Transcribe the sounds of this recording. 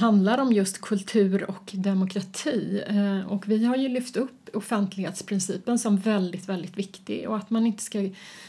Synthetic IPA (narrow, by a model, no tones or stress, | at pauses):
ɦand̪laɾɔmjɵst̪kʰɵlt̪ʰʉ̟ːɾɔkd̪ɛmʊkʰɾat̪ʰiːɔkvɪɦaɾjɵlʏft̪ɵpːʊfɛnt̪ʰlɪɡheːt̪spʰɾɪnsiːpənsɔmvɛld̪ɪt̪vɛld̪ɪt̪vɪkt̪ɪ̰ɡɔ̰at̪manɪnt̪ə̥ska